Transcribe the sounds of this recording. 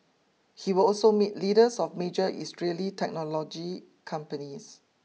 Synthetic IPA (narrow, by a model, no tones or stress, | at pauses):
hiwəlɔlsomit̚liɾəsɔfmed͡ʒəʔḭstɹelitʰɛk̚nɔlɔd͡ʒi | kʰãmpənis